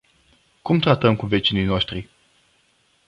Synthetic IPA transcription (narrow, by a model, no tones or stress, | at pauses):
kumt̪ɾat̪əmkuve̞t͡ʃinijnoʃt̪ɾi